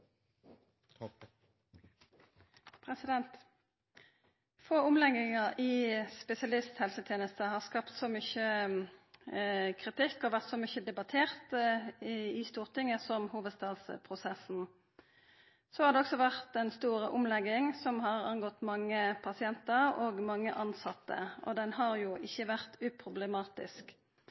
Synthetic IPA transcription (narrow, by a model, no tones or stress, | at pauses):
pʰʁɛsɪd̪ɛnt̪ | foːʊmlɛɡɪŋɑʁɪːspɛsɪɑlɪst̪hɛlsət̪ʰjeːnəst̪əhɑːʁskɑpt̪sɔmʏçə | kʰʁɪt̪ɪkːɔʋæʁt̪sɔmʏçəd̪ɛbɑt̪ʰeːʁt̪ | ɪst̪uːʁt̪ɪŋːəsɔmhuːʋəd̪st̪ɑːd̪spʰʁʊsɛsn̩ | sɔhɑʁd̪ɛɔksɔʋæʁt̪ɛnst̪uːʁəʔʊmlɛɡːɪŋsɔmhɑʁɑ̰nɡɔt̪mɑŋːəpʰɑsɪɛnt̪əʁoːɡmɑŋːəʔɑnsɑt̪ːə̰ʔɔ̰d̪ɛnhɑʁjʊːʔɪçːəʋæʁt̪ʉːpʰʁʊblɛmɑːt̪ɪ̰sk